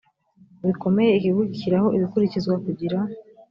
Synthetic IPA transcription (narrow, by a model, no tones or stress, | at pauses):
βiko̞me̞je̞ihiβuɟiciɾaho̞ʔiβikuɾicizɡwakuɟiɾa